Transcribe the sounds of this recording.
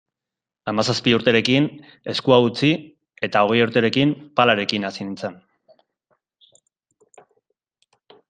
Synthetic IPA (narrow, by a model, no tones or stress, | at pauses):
amasaspiuɾt̪e̞ɾe̞kin | e̞skuaut͡si | e̞t̪ao̞ɣ̞e̞juɾt̪e̞ɾe̞kimpalaɾe̞kinasinint͡san